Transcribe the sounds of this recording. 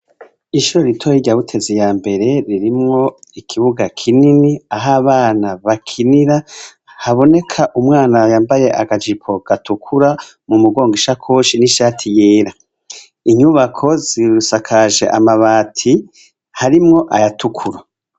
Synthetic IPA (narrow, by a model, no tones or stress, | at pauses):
iʃuɾo̞ɾitʰojiɟaβutʰe̞zijaːmbe̞ɾe̞ɾiɾimŋo̞ikʰiβuɡakʰininiaɦaβaːnaβakʰiniɾa | haβo̞ne̞kʰaʔumŋaːnajaːmbaje̞ʔaɡad͡ʒipʰo̞ɡ̥atukʰuɾa | mumuɡo̞ːŋɡiʃakʰoʃiniʃaːtʰijeːɾa | iɲuβakʰo̞ziɾusakʰaʒe̞̰ʔa̰maβaːtʰi | haɾimŋo̞ʔajatʰukʰuɾa